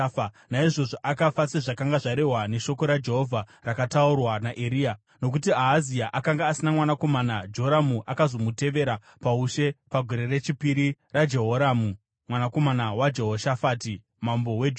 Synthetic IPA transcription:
naiʐo̞ʐo̞ʔakafat͡seʐakaŋɡaʐaɾe̞ɦwane̞ʃo̞ko̞ɾad͡ʒe̞ɦo̞vʱa | rakataurwanaʔeɾiːa | no̞k̬utiaɦːziaʔakaŋɡaːsinamwanako̞manad͡ʒooɾamuʔakazo̞mute̞ʋe̞ɾa | pauʃe̞paɡʱo̞ɾe̞re̞t͡ʃipiɾirad͡ʒe̞ɦoɾaːmu | mwanako̞manawad͡ʒe̞ɦoʃafaːti | mambo̞we

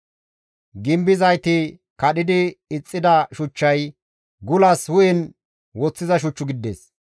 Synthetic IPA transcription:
ɡɪmbɪzɐjt̪ɪ | kɐɗɪd̪ɪɪt͡sʼːɪd̪ɐʃʊt͡ʃːɐj | ɡʊlɐshʊjɛn | wɔt͡sːɪzɐʃ̬ʊt͡ʃːʊɡɪd̪ːḛːs

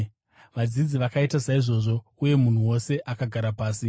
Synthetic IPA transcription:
ʋad͡zid͡ziʋakaitasaiʐo̞ːʐo̞uje̞mun̤uwo̞se̞ʔakaɡʱaɾapaːsi

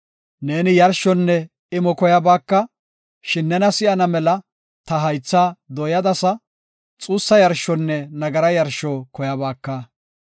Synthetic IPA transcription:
ne̞ːnɪjɐɾʃɔnːɛ | ɪmɔkɔjɐbaːkːɐ | ʃɪnːɛnɐsɪjɐnɐmɛlɐ | t̪ɐɦɐjt͡sːaːd̪ɔjɐd̪ɐsɐ | t͡sʼuːsːɐjɐɾʃɔnːɛnɐɡɐɾɐjɐɾʃɔkɔjɐbaːkːɐ

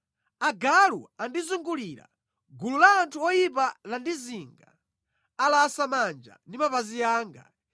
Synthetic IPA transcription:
aɡalṵandizuŋɡuliːɾa̰ | ɡululaːntʰuɔjip̬alandiziŋɡa̰ | alaːsamand͡ʒa̰ndimapaziaːŋɡa̰

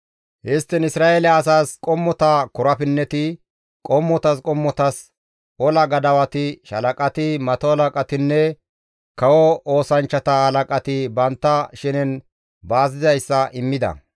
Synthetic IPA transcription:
ʔɪst̪ːɪnɪsɾaːʔelɛɐs̬aːskʼɔmːɔt̪ɐkʊɾɐpɪnːɛt̪ɪ | kʼɔmːɔt̪ɐskʼɔmːɔt̪ɐs | ɔlɐɡɐd̪ɐwɐt̪ɪʃɐ̰lɐkʼɐt̪ɪmɐt̪ɔhɐlɐkʼɐt̪ɪnːɛ | kɐwɔʔo̞ːsɐnt͡ʃːɐt̪ɐhɐlɐkʼɐt̪ɪbɐnt̪ːɐʃɪnɛn | baːzɪzɐjsːɐʔɪmːɪd̪ɐ̰

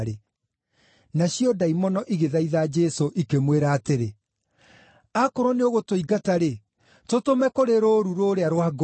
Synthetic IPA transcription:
ɾe | naɕjɔdaimɔnɔʔiɣeðaiðad͡ʒɛsoʔikemweɾaːteɾe | akoɾɔneoɣotoiɡataɾe | totomɛkoɾeɾoːɾuɾoːɾeaɾwaɡ

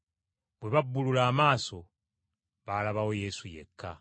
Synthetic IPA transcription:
bweβabːululaːmaːso̞ | βalaβawo̞je̞sujḛkʰːa̰

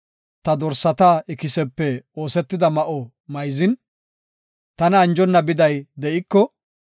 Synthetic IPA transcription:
t̪ɐd̪ɔɾsɐt̪aɪkɪsɛpːɛo̞ːsɛt̪ːɪd̪ɐmɐʔɔ | mɐjzɪn | t̪ɐnɐːnd͡ʒɔnːɐbɪd̪ɐjd̪ɛʔɪkːɔ

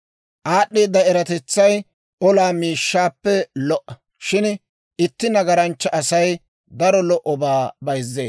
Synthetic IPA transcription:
ʔaːɗːiːd̪ːɐɛɾɐt̪ɛt͡sːɐj | ʔɔlaːmiːʃːaːpːɛlɔʔɐ | ʃɪn | ʔɪt̪ːɪnɐɡɐɾɐnt͡ʃːɐʔɐsɐj | d̪ɐɾɔlɔʔɔbaːbɐjzːḛː

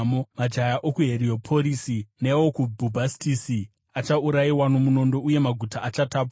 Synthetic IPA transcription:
momad͡ʒajaʔokuɦe̞ɾio̞pʰo̞ɾisinewokubʱubʱastisi | at͡ʃauɾaiwano̞muno̞ndo̞ʔuje̞maɡʱutaʔat͡ʃataːpa

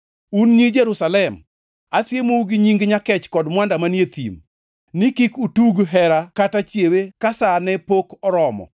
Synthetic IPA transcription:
unɲid͡ʒeɾusalɛm | atjemoɡɪɲiŋɡɲakɛt͡ʃkɔdmwandamanjet̪ḭm | nikikutuɡɦɛɾakatat͡ʃjewekasanɛpokɔɾɔmɔ̰

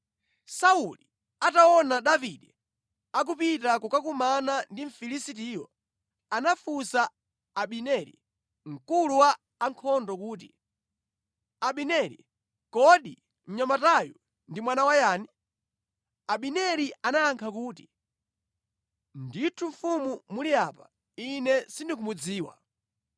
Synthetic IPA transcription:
sauli | ataɔnaɗaviɗɛ | ak̬upitak̬ukak̬umanandiɱ̩filisit̬ijɔ̰ | anafusaː | ɓinɛɾḭ | ŋ̩kuluwaː | ŋkʰɔndɔkuːt̬ḭ | aɓinɛɾḭ | kɔɗi | ɲ̩ɲamataju | ndimwanawajaːni | aɓinɛɾiʔanaːŋkʰakuːti̥ | nditʰuɱ̩fumumuliaːpa̰ | inɛsindik̬umud͡ziːwa̰

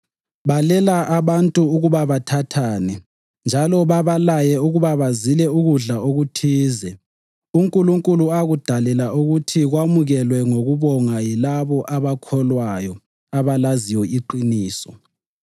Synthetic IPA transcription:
βalɛlaʔaβantʼuuɣuβaβatʰatʰaːnɛ | nd͡ʒʱalɔβaβalajɛuɣuβaβazilɛuɣuɮaoɣutʰiːzɛ | uŋkʼuluŋkʼuluaɣud̥ʱalɛlauɣutʰiɣwamuɣɛlwɛŋoɣuβɔŋajilaβɔʔaβakʰɔlwajɔ | aβalaziwɛiǃiniːsɔ

